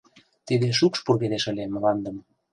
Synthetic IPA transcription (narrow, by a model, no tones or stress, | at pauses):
t̪id̪eʃ̬ukʃpoβed̪eʃə̆lʲeməlɑnd̪ə̆m